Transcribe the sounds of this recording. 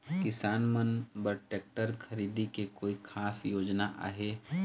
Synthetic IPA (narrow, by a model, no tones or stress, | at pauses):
kɪsaːnmənbəɾʈeːk̚ʈəɾkʰɐɾiːd̪ikekoːikʰaːsjoːd͡ʒnaʔa̰ːɦeː